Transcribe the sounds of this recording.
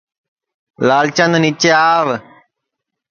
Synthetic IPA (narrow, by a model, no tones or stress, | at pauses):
laːlt͡ʃãnd̪nit͡ʃeaːʋ